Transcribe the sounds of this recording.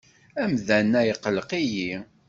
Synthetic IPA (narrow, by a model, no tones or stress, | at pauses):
æmðænːæjəqːləqiji